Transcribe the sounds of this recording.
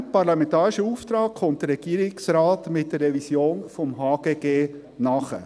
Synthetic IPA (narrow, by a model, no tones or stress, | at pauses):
pɑɾlɑmɛntɑːɾɪʃəuːft̪ɾɑːkkʰχɔntdəɾːɛɡ̥iːɾɪksɾɑːtmɪt̚dərːɛvisjoːnfɔmɦɑːɡ̥eːɡeː | nɑχə̰